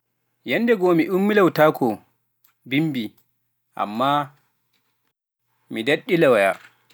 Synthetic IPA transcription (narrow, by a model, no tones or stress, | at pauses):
jɛndɛɡɔmiʔumːilawtaːkɔ | bimbi | ʔa̰mːa | midaɗːilawaja̰